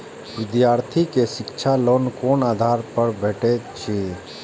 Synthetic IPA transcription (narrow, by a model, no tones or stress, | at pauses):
ʋɪd̪jaːɾt̪ʰikeʃɪkt͡ʃʰaloːnkoːnaːd̪ʱaːɾpəɾbʱeːʈet͡ʃʰi